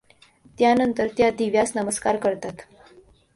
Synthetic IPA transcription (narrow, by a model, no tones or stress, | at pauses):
t̪janənt̪əɾt̪jad̪iʋjasnəməskaɾkəɾt̪at̪